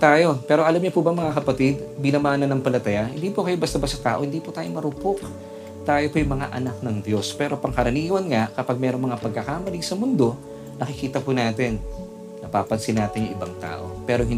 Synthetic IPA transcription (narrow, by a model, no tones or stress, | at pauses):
t̪aːjo̞pɛːɾo̞ʔɐlamɲopubɐŋmɐŋakɐpɐt̪id̪bɪnɐmaːnɐnːɐŋpɐlɐt̪ɐjahɪ̰nd̪iːpokɐjobɐst̪abɐsɐt̪a̰ːʔo̞hɪnd̪iːpʊt̪aːjoŋmɐɾʊpok | t̪aːjopojʊŋmɐŋa̰ʔɐ̰nak̚nɐŋd̪jo̞spɛːɾo̞pɐŋkɐɾɐniːwɐnŋaʔkɐpaɡ̚mɛːɾoŋmɐŋapɐɡ̚kːɐkamɐliɡsɐmʊnd̪o̞ | nɐkɪkiːt̪ɐpʊnaːt̪ɪnː | ɐpaːpɐnsɪnaːt̪ɪnjʊŋʔɪbɐŋt̪a̰ːʔo̞pɛːɾoɦɪn